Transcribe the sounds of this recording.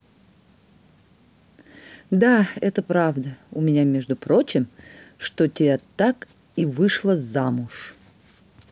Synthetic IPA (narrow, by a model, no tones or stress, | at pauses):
d̪aɛt̪əpɾavd̪əʊmʲɪnʲamʲeʐd̪ʊpɾot͡ɕɪmʂt̪otʲɪat̪ak | ivɨʂlˠəzamʊʂ